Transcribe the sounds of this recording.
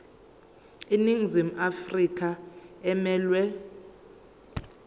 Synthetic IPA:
iniŋzimʔafrikʼʰaɛmɛːlwɛ

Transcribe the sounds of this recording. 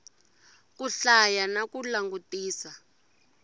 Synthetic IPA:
kuɬajanakulaŋɡutiːsa

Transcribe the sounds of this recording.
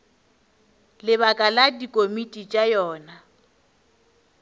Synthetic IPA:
lɪβakʼaladikʼomitʼit͡ʃʼajɔːna

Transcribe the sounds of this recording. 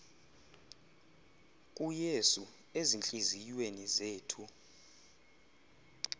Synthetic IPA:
kʼujesu | ezint͡ɬʼiziwenizeːtʰu

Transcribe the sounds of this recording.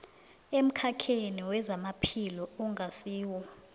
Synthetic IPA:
em̩kʰakʰeniwɛzamapʰilɔuŋɡʱasiːwɔ

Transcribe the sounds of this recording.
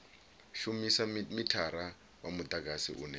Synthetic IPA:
ʃumisamitʰaɾa | wamud̪aɡʱasḭʔṵːnɛ

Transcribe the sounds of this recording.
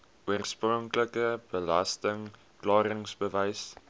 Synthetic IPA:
uərsprɔŋkləkəb̥əlɐstəŋ | klɑːɾəŋsbəvɛjs

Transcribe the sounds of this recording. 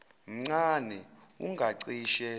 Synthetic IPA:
m̩ŋ͡ǀanɛ | ṵŋɡʱaǀiʃɛ

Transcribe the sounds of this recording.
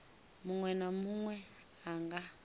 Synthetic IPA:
muŋwɛnamuŋwɛ | aŋɡa

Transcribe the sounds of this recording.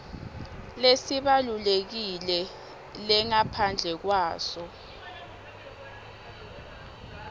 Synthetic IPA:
lesiɓalulek̬ilɛ | lɛŋapʰand͡ɮʱɛk̬waːsɔ

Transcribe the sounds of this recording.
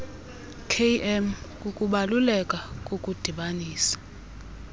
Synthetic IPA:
kʰeʔɛmkʼukʼuɓalulɛkʼakʼokʼud̥ʱiɓaniːsḁ

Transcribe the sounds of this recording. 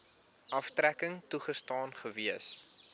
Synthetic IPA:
ʔɐftɾækəŋtuχəstɑːnχəviəs

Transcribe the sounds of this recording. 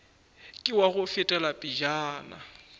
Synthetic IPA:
kʼɪwaɣʊfɪtʼɛlapʼid͡ʒaːna̰

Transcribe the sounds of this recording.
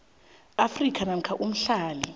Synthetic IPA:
afrikʰanam̩kʰaʔum̩ɬaːli

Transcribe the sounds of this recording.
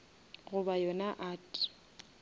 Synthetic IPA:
ɣʊbajɔnaʔaːtʼi̥

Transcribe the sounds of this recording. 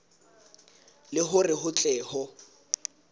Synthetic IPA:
lɪɦʊrɪhʊt͡ɬʼɛːhɔ

